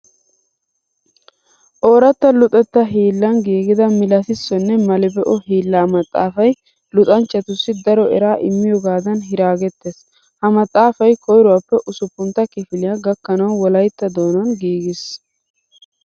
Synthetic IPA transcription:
ʔoːɾɐt̪ːɐlʊt̪ʼɛt̪ːɐɦiːlːɐnɡiːɡɪd̪ɐmɪlɐsɪsːɔnːɛmɐlɪbɛʔɔhiːlːaːmɐt̪ʼːa̰ːfɐj | lʊt̪ʼɐnt͡ʃːɐt̪ʊsːɪd̪ɐɾɔɛ̰ɾaːʔɪmːɪjɔɡaːd̪ɐnɦɪɾaːɡɛt̪ːes | hɐmɐt̪ʼːaːfɐjkʰɔjɾʊwɐpːɛʔʊsʊpːʊnt̪ːɐkɪfɪlɪjaɡɐkːɐnɐwwɔlɐjt̪ːɐd̪o̞ːnɐnɡiːɡɪs

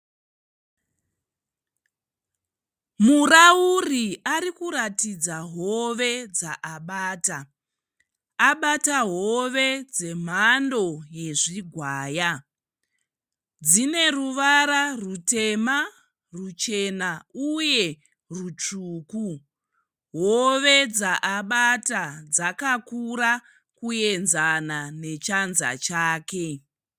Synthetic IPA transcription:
murauriaɾikuɾatid͡zaɦo̞ʋe̞d͡zaʔaɓaːta | aɓataɦo̞ʋe̞d͡ze̞m̤ando̞je̞ʐiɡʱwaːja | d͡zine̞ruʋaɾarute̞ma | rut͡ʃe̞nauje̞ | rut͡ʂuːku | ɦoʋe̞d͡zaʔaɓatad͡zakakuɾa | kuje̞nzanane̞t͡ʃanza̰t͡ʃaːke̞

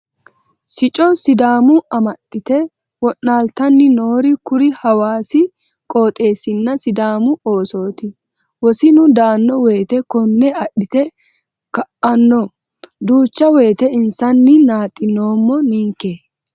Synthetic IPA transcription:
sɪt͡ʃʼɔsɪd̪aːmʊɐmɐɗːɪt̪ɛ | wɔʔnaːlt̪ɐnːɪnoːɾɪkʊɾɪhɐwaːsɪ | kʼo̞ːt̪ʼe̞ːsɪnːɐsɪd̪aːmʊoːso̞ːt̪ɪ | wɔsɪnʊd̪aːnːɔwe̞ːt̪ɛkɔnːɛɐɗɪt̪ɛ | kɐʔɐnːɔ | d̪uːt͡ʃːɐwe̞ːt̪ɛɪnsɐnːɪnaːt̪ʼːɪnːo̞ːmːɔniːŋke

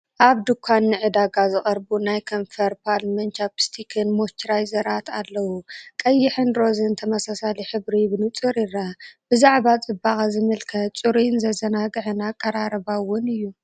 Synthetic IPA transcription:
ʔaβd̪ɨkʷʰːanːɨʕɨd̪aɡazɨχʼɐɾbunajkʰɐnfɐɾpʰalmɐnt͡ʃapst̪ʰikʰɨnmot͡ʃɾajzɐɾʔat̪ʰalːɐwukʼɐjːɪħɨnɾo̞zɨnt̪ʰɐmɐsasaliħɨβɾiβɨnɨt͡sʼɨɾiɾabɨzaʕbat͡sʼɨbakʼazɨmɨlkʰɐt̪t͡sʼuɾinzɐzɐnaɡʕnakʼːɐɾaɾɐbawʊnɨjːu

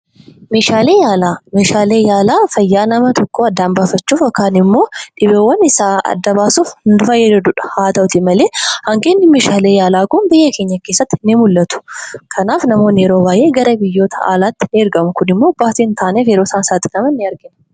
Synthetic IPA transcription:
me̞ːʃaːleːjaːlaːmeːʃaːle̞ːjaːlaːfɐjːaːnɐmɐt̪ɔkːoːɐd̪ːaːnbaːfɐt͡ʃːuːfɔkːaːnɪmːo̞ːᶑɪβeːwɐnɪsaːɐ̰d̪ːɐbaːsʊfnd̪ʊfɐjɛd̪ɛd̪ʊᶑɐ̥haːt̪ɐʊt̪ɪmɐleːhɐŋɡeːnːɪmeːʃaːleːjaːlaːkʊnbɪjːɐke̞ːɲːɐkeːsːɐt̪ːɪnɪmʊlːɐt̪ʊ̥kʰɐnaːfnɐmo̞ːneːɾo̞ːbaːje̞ːɡɐɾɐbɪjːo̞ːt̪ʰɐa̰ːlaːt̪ːɪ̥eːɾɡɐmʊkʊnɪmːoːbaːt̪int̪ʰaːnefeːɾoːsaːsaːt̪ːɪ̥nɐmɐnːɪɐɾɡɪn

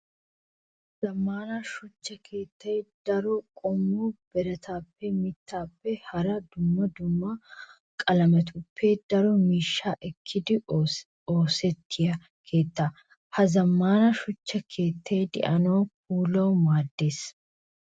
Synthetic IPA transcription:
zɐmːaːnɐʃʊt͡ʃːɐkʰe̞ːt̪ːɛjd̪̥ɐɾɔkʼɔmːuːb̥ɛɾɐt̪ʰaːpːɛmɪt̪ʰːaːpːɛhɐɾɐd̪ʊmːɐd̪ʊmːɐ | kʼɐlɐmɛt̪ʊpʰːed̪̥ɐɾɔmiːʃːaːʔɛkʰːɪd̪ɪ | oːsɛt̪ʰːɪjɐ | kʰe̞ːt̪ːɐ | hɐzɐmːaːnɐʃʊt͡ʃːɐkʰe̞ːt̪ːejd̪ɪ̰ʔɐnoːk̚uːlɐwmaːd̪ːe̞ːs

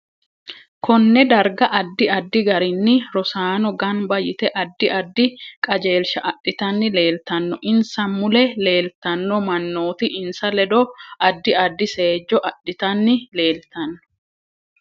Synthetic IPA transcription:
kɔnːɛd̪ɐɾɡɐʔɐd̪ːɪɐd̪ːɪɡɐɾɪnːɪɾɔsaːnɔɡɐnbɐjɪt̪ɛʔɐd̪ːɪʔɐd̪ːɪkʼɐd͡ʒe̞ːlʃɐʔɐɗːɪt̪ɐnːɪle̞ːlt̪ɐnːɔʔɪnsɐmmːʊlɛle̞ːlt̪ɐnːɔmɐnːoːt̪ɪʔɪnsɐlɛd̪ɔʔɐd̪ːɪɐd̪ːɪse̞ːd͡ʒːɔʔɐɗːɪt̪ɐnːɪle̞ːlt̪ɐnːɔ̥

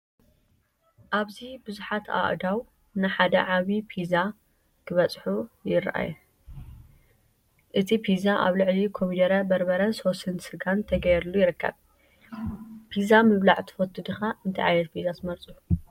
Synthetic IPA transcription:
ʔaβzibɨzuħat̪ʰa̰ʔd̪aw | nɨħad̪ɐ̰ʕaβipʰiza | kʰɨβɐt͡sʼħujɪɾʔa̰ju | ʔɨt̪ʰipʰizaʔa̰βlɨʕlikʰomid̪ɐɾɐbɐɾbɐɾɐnsosɨnsɨɡant̪ʰɐɡɐjɛɾulːujɪɾɨkːɐ̰β | pʰizamɨβlaʕt̪ʰɨ̥fɐt̪ʰːɨd̪ɨxaɨnt̪ʰɐʕa̰jnɐt̪̚pʰizat̪ʰɨmɐɾt͡sʼu

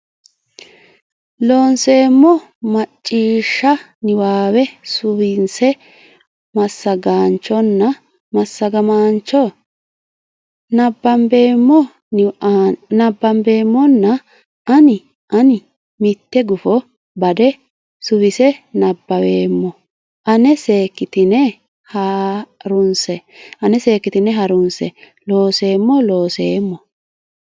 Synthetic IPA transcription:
loːnse̞ːmːɔ | mɐt͡ʃʼːiːʃːɐ | nɪwaːwɛsʊwɪnsɛ | mɐsːɐɡaːnt͡ʃːɔnːɐ | mɐsːɐɡɐmaːnt͡ʃːɔ | nɐbːɐmbeːmːɔ | nɐbːɐmbe̞ːmːɔnːɐ | ɐnɪ | ʔɐnɪ | mɪt̪ːɛɡʊfɔ | bɐd̪ɛ | sʊβɪsɛnɐbːɐweːmːɔ | ʔɐnɛse̞ːkːɪt̪ɪnɛ | hɐɾʊnsɛɐnɛse̞ːkːɪt̪ɪnɛɦɐɾʊnsɛ | lo̞ːse̞ːmːɔlo̞ːse̞ːmːɔ

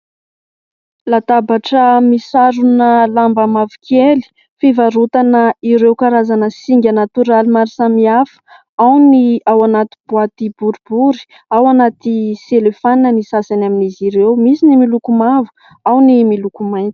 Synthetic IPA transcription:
lat̪abaʈ͡ʂəmisaɾunəlambamavikʰeli̥ | fivaɾut̪anəiɾewkaɾazanəsiŋɡʲanat̪uɾalimaɾisamiafə̥ | awniawanat̪i̥buat̪ibuɾubuɾi̥ | awanat̪iselefaninənisasanaminiziɾewmisinimilukumavu̥ | awnimilukumajnt͡si̥

